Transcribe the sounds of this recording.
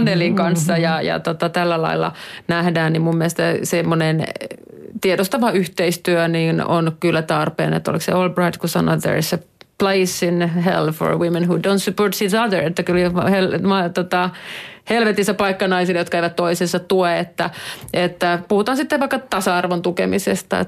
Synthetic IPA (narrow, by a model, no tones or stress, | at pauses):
nːeliŋkɑnsːɑjɑjɑ̰t̪ot̪ɑt̪ælːælɑ̰ilːɑ̰næhdæːnnimmummiæest̪æsemːonen | t̪iedost̪ɑʋɑyht̪eist̪yøniːno̰nkylːæt̪ɑrpḛːnḛt̪ːo̰liksḛolbrɑit̪kusɑ̰nːo̰t̪ðə̰ɹḭsəpleisinɦḛlfo̰ɹ̰wimːenhudõʊ̃nt̪syport̪sisɑðə˞et̪ːækylhelmɑt̪ot̪ɑhelʋet̪isːæpɑikːɑnɑisilːejot̪kæiʋæt̪t̪oisensɑt̪ueet̪ːæʔet̪ːæpuhut̪ɑhːnsit̪ːeʋʋɑikːɑt̪ɑsɑɑrʋont̪ukḛmisest̪ɑ̰ḛ